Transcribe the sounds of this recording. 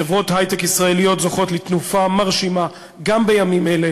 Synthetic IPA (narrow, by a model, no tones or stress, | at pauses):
evʁo̞thajtekisʁae̞lijo̞tzoχo̞tlit̪nufamaʁʃima | ɡambe̞jamimele